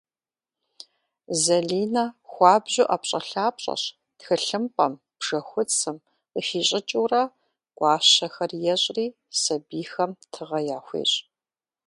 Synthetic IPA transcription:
zɐɮiːnɐxʷɑːbʑʊʔɐpɕʼɐɬaːpɕʼɐ̰ɕ | txɨɬɨmpʼɐm | b̥ʐ̥ɐxʷʊt͡sʰɨm | əfiːɕʼɪt͡ʃʼuːrɐ | ɡʷʼɑːɕɐxɐrjɛɕʼriː | sɐbiːxɐmtʰɨʁɐjaːxʷḛːɕʼ

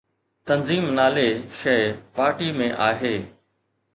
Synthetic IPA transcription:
t̪ɐnziːmnaːleːʃɐɪpaːɾʈimẽʔaːɦeː

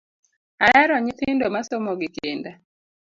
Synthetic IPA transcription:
aɛɾɔɲɪt̪ʰɪndomasomoɡɪkenda

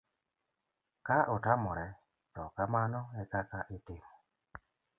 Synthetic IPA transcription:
kaʔotamɔɾɛ | tɔkamanɔɛkakaʔɪtɪmo

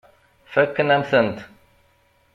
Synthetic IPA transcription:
fækːənæmθənt̪

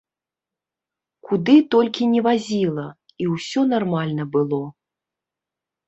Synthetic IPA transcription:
kud̪ɨt̪ɔlʲkʲinʲɛvazʲilˠɐ | iwsʲɔnarmalʲnɐbɨlˠɔ

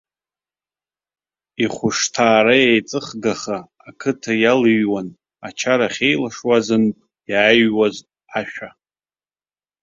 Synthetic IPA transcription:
iχʷʊʂtʰaːɾajajt͡sʼɨχɡaχaː | kʰɨtʰajalɨɥwan | at͡ʃʰaɾaχʲe̞jlaʂwazɨnpʼ | jaːɥwaz | aʃᶣa

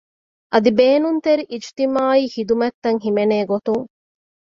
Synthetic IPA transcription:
ʔɐd̪ibeːnunt̪eɾiʔid͡ʒt̪imaːiːhid̪umɐt̪ːɐŋɦimeneːɡot̪uŋ

